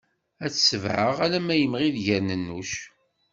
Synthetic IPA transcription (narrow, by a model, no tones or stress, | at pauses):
æt͡ssəvʕəʁælæmæjəmʁiðʝæɾnənːuʃ